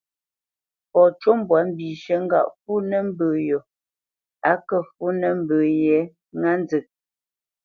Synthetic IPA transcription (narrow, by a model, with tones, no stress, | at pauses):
pɔ˨t͡ʃo˦mbwa˨m̩˦bi˨ʃə˨ŋ̩˦ɡa̰˦˨ʔfu˦nə˦m̩˦bə˨jo˨ | a˨˦kə˦˨fu˦nə˦m̩˦bəː˨jɛ˨˦ | ŋa˦n˦d͡zə˨k̚